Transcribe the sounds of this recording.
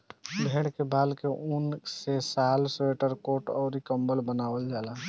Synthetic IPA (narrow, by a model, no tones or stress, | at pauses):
bʱeːɽkebaːlkeʔʊnsesaːlseːʈəɾkoːʈɔːɾikəmbəlbənaːwəld͡ʒaːlaː